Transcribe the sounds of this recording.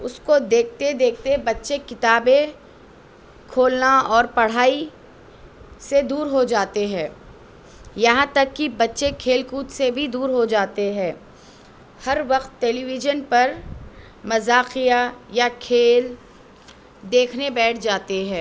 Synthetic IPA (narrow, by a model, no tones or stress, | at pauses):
ʊskod̪eːk̚ʰt̪ed̪eːk̚ʰt̪ebɐtːʃekɪt̪aːbẽ | kʰoːlnaɔːɾpɐɽ̤aːi | sed̪uːɾɦod͡ʒaːt̪eɦɛ̃ː | jɐɦãt̪ɐkːibɐtːʃekʰeːlkuːt̪sebʱid̪uːɾɦod͡ʒaːt̪eɦɛ̃ː | hɐɾʋɐqt̪ːɛːliʋɪd͡ʒənpɐɾ | mɐzaːqijajakʰeːl | d̪eːkʰnebɛːʈʰd͡ʒaːt̪eɦɛ̃ː